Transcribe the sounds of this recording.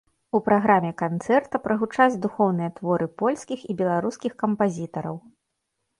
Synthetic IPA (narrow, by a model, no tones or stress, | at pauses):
upɾaɣɾamʲɛkant̪sɛrt̪ɐpɾɐɣut͡ʂad͡zʲd̪uxɔwnɨjɐt̪vɔɾɨpɔlʲskʲixibʲɛlˠaɾuskʲixkɐmpazʲit̪ɐɾɐ̰w